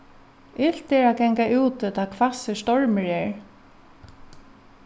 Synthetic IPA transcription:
ɪl̥t̪ɛɹaɡɛŋkaʔuːt̪t̪ʰaːkʰvasɪst̪ɔɹmɪɹɛːɹ

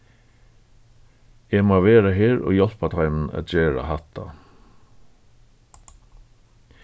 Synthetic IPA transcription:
jæmoːʋeːɾəheːɹo̰ːjɔlpɑt̪ʰɑɪmn̩ɑ̰t̪̚d͡ʒeːɹɑ̰hɑt̪ʰɑ̰

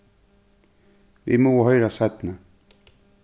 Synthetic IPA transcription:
ʋḭmoːhœʏɾasat̪nə

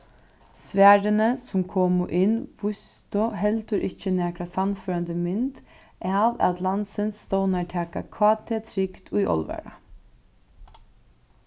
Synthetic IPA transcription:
sʋæːɾənəsʊmkʰɔːmʊʔɪnʋʊst̪ʊɦɛlt̪ʊɾʔɪt͡ʃːənæːkɾasanføːɾand̪əmʏnt̪ | ʔɛaʋæt̪lansənsːt̪ownaʈʰæːkakʰvɑːt̪ʰet̪ʰɾɪkt̪ʰʊjʔɔ̰lʋɛ̰ɾa̰

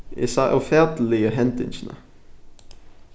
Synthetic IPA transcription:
ɪ̰sɑʔœfæʁd̪l̩ɪəɦɛnt̪ɪ̰nʃnə̰

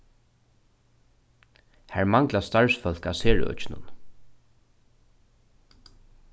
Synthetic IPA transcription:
hæɹmaŋklast̪aɹsfœl̥kaseːɹ̰œ̰t͡ʃɪnʊ̰n

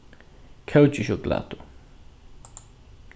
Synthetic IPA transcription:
kʰɛwt͡ʃʼiʃɔkʼla̰ːt̪ʰu

